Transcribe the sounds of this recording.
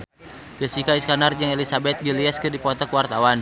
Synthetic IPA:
ɡəsikaiskanard͡ʒəŋelisabɛt̪̚ɡiliaskərdipɔt̪ɔkuwart̪awan

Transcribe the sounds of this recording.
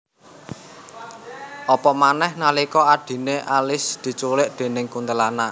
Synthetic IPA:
ʔɔpɔmanɛhnalikɔaɖ̪̥i̤neʔalɪsd̪̥i̤t͡ʃulɪʔd̪̥e̤nɪŋkunt̪əlana

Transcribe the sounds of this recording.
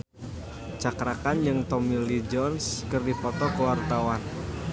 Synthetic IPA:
t͡ʃakɾakand͡ʒɨŋt̪ɔmilid͡ʒɔnskɨrdipɔt̪ɔkəwart̪awan

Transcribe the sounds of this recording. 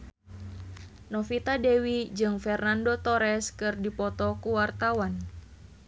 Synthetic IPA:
nɔfit̪adɛwid͡ʒɨŋfɛrnandot̪ɔɾɛskɨrdipɔt̪ɔkuwart̪awan

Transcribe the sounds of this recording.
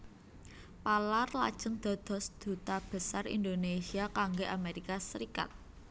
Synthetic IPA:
palarla̰d̥ʒ̥ə̤ŋd̪̥ɔ̤d̪̥ɔ̤sd̪̥ṳt̪ab̥ə̤sarḭnd̪onesiakaŋɡeʔameɾikasəɾika̰t̪̚

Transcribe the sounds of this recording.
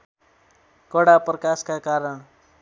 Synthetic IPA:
kʌɽaprʌkaskakaɾʌɽ̃

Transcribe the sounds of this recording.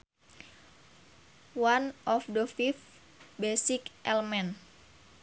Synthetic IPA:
wanʔɔfdəfif | besikʔɛlmɛn

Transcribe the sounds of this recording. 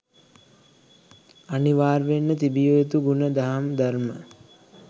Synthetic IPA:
aniʋaːɾʋenːət̪ibijojet̪uɡunəd̪aɦamd̪armə

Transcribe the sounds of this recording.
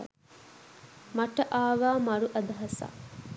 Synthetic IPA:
mɐʈɐʔaːʋaːmɐɾuʔɐd̪ɐɦɐsa̰ː

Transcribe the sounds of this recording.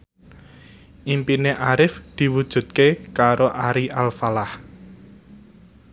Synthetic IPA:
ʔimpineʔaɾɪfd̪̥i̤wud̥ʒ̥ṳt̪̚kekaɾoʔaɾiʔalfalah

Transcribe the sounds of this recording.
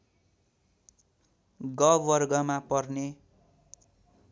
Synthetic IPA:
ɡʌwʌrɡʌmapʌrne

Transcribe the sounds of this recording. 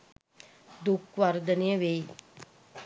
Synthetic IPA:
d̪ukʋaɾd̪ənejəʋej

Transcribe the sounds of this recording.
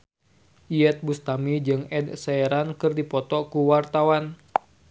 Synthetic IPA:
ʔiɛt̪̚bust̪amid͡ʒɨŋɛdsɛɛɾankɨrdipɔt̪ɔkuwart̪awan

